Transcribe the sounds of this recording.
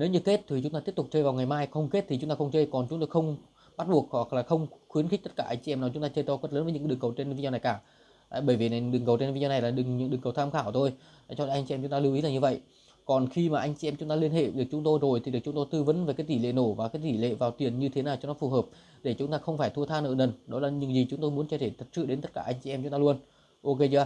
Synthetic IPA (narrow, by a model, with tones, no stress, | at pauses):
ne˨˦wɲɨ˧ke˦˥t̚t̪ʰi˨˩t͡ɕʊ˨˦ŋ͡mt̪aː˧t̪ət̪k͡p̚t͡ɕəː˧jvaː˨˩wŋa˨˩jmaː˧jxə˧wŋ͡mke˦˥t̚t̪ʰi˨˩t͡ɕʊ˨˦ŋ͡mt̪aː˧xə˧ŋ͡mt͡ɕəː˧jkɔ˨˩nt͡ɕʊ˨˦ŋ͡mt̪o˧jxə˧wŋ͡m | ɓa˦˥t̚ɓu˨˩ək̚hwa˨˩k̚laː˨˩xə˧wŋ͡mxwi˨˦ənxk̚t̪t̚kaː˧˩ʔa˧ŋ̟t͡ɕi˨ʔɛ˧mnaː˨˩t͡ɕʊ˦ŋ͡mt̪aː˧t͡ɕəː˧jt̪ɔ˧˦kwə˦˥tləː˨˦nvə˨˦ɨ̰˧˥˦ɗɨ˨˩ŋkə˨˩wt͡ɕe˧n˧vi˧˦zɔ˧na˨˩jkaː˧˩˧ | ɓəː˧˩jvi˨˩na˨˩˨ɗɨ˨˩ŋkə˨˩wt͡ɕe˧n˧vi˧zɔ˧n˨˩jlaː˨˩ɗɨ˨˩ŋɲɨ̰˧˥ŋɗɨ˨˩ŋkə˨˩wt̪ʰaː˧mxaː˧˩wt̪ʰo˧j | a˨˩t͡ɕɔ˧lʔa˧ŋt͡ɕi˧mt͡ɕʊ˨˦ŋ͡mt̪ːli˧wʔi˨˦laː˨˩ɲɨ˧və̰˧˨jʔ | kɔ˨˩nxi˧maː˨˩ʔa˧jŋ̟t͡ɕi˨ʔɛ˧mt͡ɕʊ˨˦ŋ͡mt̪ːwi˧ənhḛ˧˨ɗɨ˨˩k̚t͡ɕʊ˨˦ŋ͡mt̪o˧jzo˨˩jt̪ʰi˨ɗɨ˨˩ək̚t͡ɕʊ˨˦ŋ͡mto˧jt̪ɨ˧və˨˦nve˨˩kaː˨˦jt̪i˧˩lḛ˧˨no˧˩vaː˨˩kaː˨˦jt̪i˧˩lḛ˧˨vaː˨˩wt̪i˨˩ənɲɨ˧t̪ʰe˨˦naː˨˩wt͡ɕɔ˨˦ŋ͡mnɔ˨˦fu˨˩ɦəː˨˩p̚ | ɗe˧˩t͡ɕʊ˨˦ŋ͡mt̪aː˧xə˧wŋ͡mfaː˧˩jt̪ʰu˧ət̪ʰaː˧nʔəː˧˩nə˨˩nɗɔ˨˦laː˨˩ɲɨ̰˧˥ŋzi˨˩t͡ɕʊ˨˦ŋ͡mt̪o˧jmu˨˦ənt͡ɕə˧t̪ʰe˧˩t̪ʰə˨˩t̚sɨ̰˧˨ɗe˨˦nt̪ə˦˥t̚kaː˧˩ʔa˧ŋ̟t͡ɕi˨ʔɛ˧mt͡ɕʊ˨˦ŋ͡mt̪aː˧lu˧ən | ʔo˧ke˧aː˧